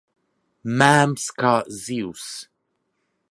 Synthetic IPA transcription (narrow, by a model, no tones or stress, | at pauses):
mamskaʔzis